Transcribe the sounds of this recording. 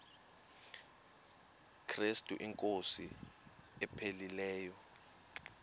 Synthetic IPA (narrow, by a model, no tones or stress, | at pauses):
kʰristʼṵʔiŋkʼosi | ɛpʰelilɛːjɔ